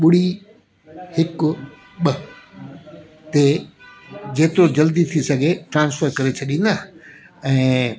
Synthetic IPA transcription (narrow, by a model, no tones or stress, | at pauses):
ɓʊɽ̤i | hɪkʊ | ɓɐ | t̪e | d͡ʑeːt̪ɪɾod͡ʑɐld̪it̪ʰisɐɡʱeʈɾãːnsfəɾkɐɾet͡ɕʰɐɗĩːn̆d̪a | ɛ̃ː